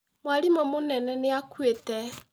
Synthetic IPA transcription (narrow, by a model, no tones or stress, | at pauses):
mwalimɔmonɛnɛneakwetɛ